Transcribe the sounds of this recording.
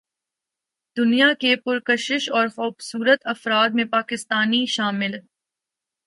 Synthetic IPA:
d̪̥ʊnijakepʊɾkɐʃɪʃɔːɾxoːbsuːɾət̪ɐfɾaːd̪̚mẽpaːkɪst̪aːniʃaːmɪl

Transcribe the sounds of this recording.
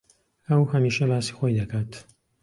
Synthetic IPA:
ɐwhɐmiːʃɐlaːsi̥xojd̪ɐkʰaːt̪

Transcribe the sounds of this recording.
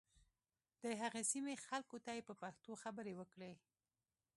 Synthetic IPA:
d̪̥əɦaɣesimexalkot̪ajepəpaxt̪oxabəɾewəkɽe

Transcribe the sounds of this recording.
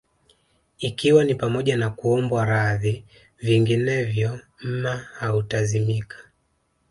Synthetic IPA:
ikiwanipamɔʄanakuɔmbwaɾaði | viŋɡinɛvjɔ | m̩mahautazimikʰḁ

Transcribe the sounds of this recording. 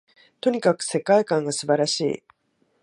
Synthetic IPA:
t̪o̞ɲ̟ikakɯ̟̥se̞kaikãŋɡasɨbaɾaɕḭː

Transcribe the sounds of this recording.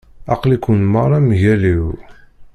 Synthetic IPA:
ɑqlikunməɾˤɑmʝæliw

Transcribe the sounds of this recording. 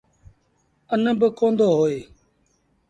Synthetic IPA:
ənəbəkõːnd̪oːɦoːeː

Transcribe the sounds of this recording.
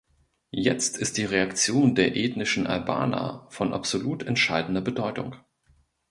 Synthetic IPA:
jɛt͡stʰɪst̚d̥iːʁeakt͡sjoːndeːɐʔeːtnɪʃn̩ʔa̰lba̰ːnɐ̰fɔnʔa̰pz̥oluːtʰɛntʃaɪdn̩dɐbədɔʏtʊ̰ŋ

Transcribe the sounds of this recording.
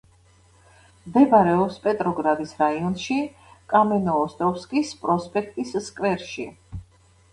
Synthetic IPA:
md̪ɛbaɾɛɔpspʼɛt̪ʼɾɔɡɾad̪isɾaiɔnʃi | kʼamɛnɔːst̪ʼɔfskʼispʼɾɔspʼɛk̚ʰt̪ʼisskʼvɛɾʃi

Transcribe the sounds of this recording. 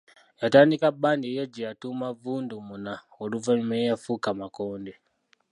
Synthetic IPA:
jataːndikabːaːndijaɟijatuːmavuːndumuna | oluvamejafukamakoːnde

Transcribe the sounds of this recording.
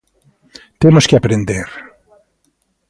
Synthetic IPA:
t̪emʊskɪapɾẽnd̪eɾ

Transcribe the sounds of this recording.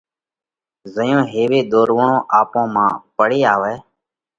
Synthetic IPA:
zəjõːɦeːʋeːd̪oːɾʋɳõːʔaːpõːmãːpəɽeːaːʋɛː

